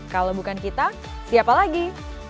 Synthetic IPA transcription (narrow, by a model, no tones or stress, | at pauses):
kalobukankit̪a | siapalaɡi